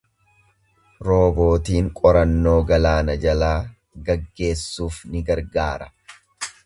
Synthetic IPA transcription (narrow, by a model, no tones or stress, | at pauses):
ɾo̞ːbo̞ːt̪iːŋkʼɔɾɐnːo̞ːɡɐlaːnɐd͡ʒɐlaː | ɡɐɡːe̞ːsːuːfnɪɡɐɾɡaːɾɐ̥